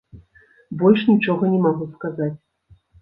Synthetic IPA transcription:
bɔlʲʂnʲit͡ʂɔɣɐnʲɛmaɣuskazat͡sʲ

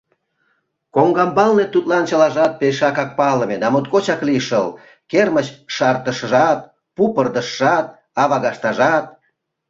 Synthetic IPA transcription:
koŋɡɑmbɑlnet̪ut̪lɑnt͡ɕəlɑʒɑt̪̚peʃɑkɑk̚pɑlə̆med̪ɑmot̪̚kot͡ɕɑkliʃəl | kermət͡ɕʃɑrt̪əʃəʒɑt̪̚ | pupərd̪əʃːɑt̪̚ | ɑβɑɣɑʃt̪ɑʒɑt̪̚

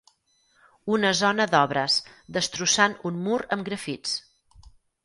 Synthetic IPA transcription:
unəzɔnəðɔβɾəzd̪əst̪ɾusanunmuɾəmɡɾəfit͡s

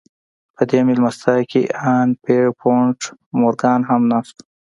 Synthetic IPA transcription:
pəd̪emilmɐst̪ɑːkiʔaːnpeɽpʰoɳʈmoɾɡɑːnɦamnaːst̪

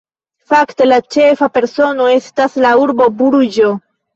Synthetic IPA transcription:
fakte̞lat͡ʃe̞fape̞ɾso̞no̞e̞staslauɾbo̞buɾud͡ʒo

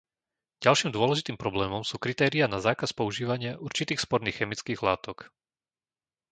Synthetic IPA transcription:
ɟalʃiːmd̪ʊɔlɛʒit̪iːmpɾɔblɛːmɔmsuːkɾit̪ɛːɾianazaːkaspɔuʒiːʋaɲɪaʔuɾt͡ʃit̪iːxspɔɾniːxːɛmit͡skiːɣlaːt̪ɔk

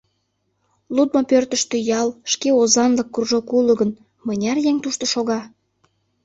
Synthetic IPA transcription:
lut̪̚mopørt̪əʃt̪øjɑlˠʃkeozɑnləkːurʒokuləɣə̆n | mənʲɑrjeŋt̪uʃt̪oʃoɣɑ

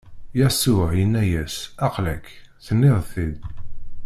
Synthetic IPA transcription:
jæsʊʕjənːæjæsɑqlækθənːɪðˤθið

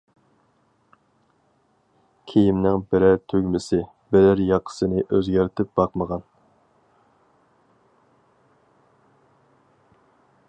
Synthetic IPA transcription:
kʲʰejimnɪŋbɪɾæɾt̪ʰøɡʲmɪsɪ | bɪɾæɾjɑqʰːə̥sɨnɨʔøzɡʲæɾt̪ʰɪp̚bɑqməʁɑn

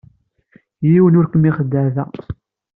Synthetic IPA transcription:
jiwənʊɾkəmːiχəd̪ːəvæ̰

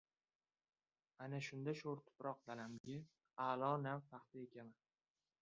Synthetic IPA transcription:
anaʃʊnd̪aʃoɾt̪ʰʊ̥pɾʔɒq̚d̪alamɡʲɪ | alˠɒnawfaqt̪ɪekʲaman

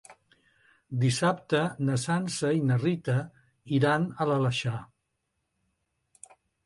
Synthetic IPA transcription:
d̪isap̚t̪ənəsansəinərit̪ə | iɾanələləʃa

